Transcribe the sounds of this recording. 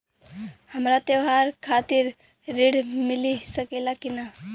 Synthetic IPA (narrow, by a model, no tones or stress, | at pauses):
həmɾat̪ewɦaɾkʰat̪iɾː | eɽmilisəkɛlakina